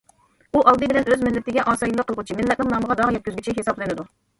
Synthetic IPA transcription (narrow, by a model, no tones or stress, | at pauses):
uʔɑlˠd̪ɨbɪlɛnøzmɪlːɪt̪ɪɡʲɛʔɑːsɑjilˠːəqʰːəlˠʁut͡ʃʰimɪlːɛt̪̚nɪŋnɑməʁɑd̪ɑʁjɛt̪̚kʲyzɡʲyt͡ʃʰiɦesɑblˠɨnɨd̪u